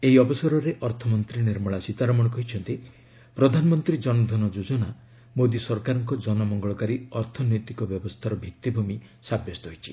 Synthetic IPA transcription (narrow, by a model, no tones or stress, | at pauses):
eɦiɔbɔsɔɾɔɾeʔɔɾt̪ʰɔmɔnt̪ɾiniɾmɔɭasit̪aɾɔmɔɽɔkɔɦit͡ʃʰɔnt̪i | pɾɔd̪ʱanɔmɔnt̪ɾid͡ʒɔnɔd̪ʱɔnɔd͡ʒud͡ʒɔna | mod̪isɔɾkaɾɔŋkɔd͡ʒɔnɔmɔŋɡɔɭɔkaɾiɔɾt̪ʰɔnɔjt̪ikɔbjɔbɔst̪ʰaɾɔbʱit̪ːibʱumi | sabjɔst̪ɔɦojt͡ʃʰi̥